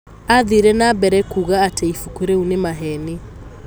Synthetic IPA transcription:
aðeɾɛnabɛɾɛkuɣaːtʰɛifukuɾeunemaɦɛne

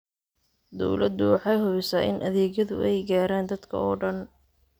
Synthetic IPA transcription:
d̪ɔ̰wlɐd̪ːʊwɑħɑjɦʊβɪsaːʔɪ̰nʔɐ̰ðɛːɣjɐðʊ̰ʔɛjɡaːɾaːnd̪ɐd̪kʰɐ̰ɔːɖɐn

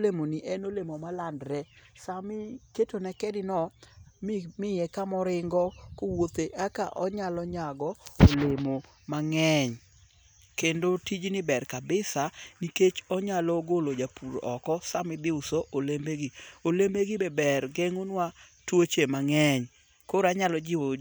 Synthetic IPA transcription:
lemoniʔɛnolemomalandɾɛsamɪketonɛkɛdɪnɔmɪmɪjɛkamɔɾɪŋɡɔkowot̪eʔaka̰ʔɔɲalɔɲaɡɔolemo | maŋɛɲ | kendotid͡ʒnɪbɛrkabɪsaniket͡ʃɔɲalɔɡolod͡ʒapuɾɔkɔsamɪd̪ɪʊsoʔolembeɡiolembeɡɪbɛbɛrɡeŋonwa | twot͡ʃemaŋɛɲ | koɾaɲalɔd͡ʒɪo

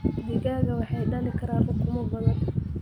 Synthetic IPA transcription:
bɪɣaːɣɐwɑħɑjɖɐlɪkʰɐɾaːnʔɐkʰʊmɐbɐðɐn

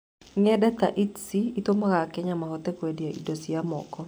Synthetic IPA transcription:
ŋɛdɛt̪aʔitsiit̪omɔkakɛɲamakɔt̪ɛkwediaʔḭdosiamɔ̰kɔ

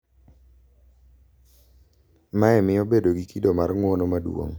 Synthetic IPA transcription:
maɛmɪobedoɡikidomarŋwonomadwo̰ŋ

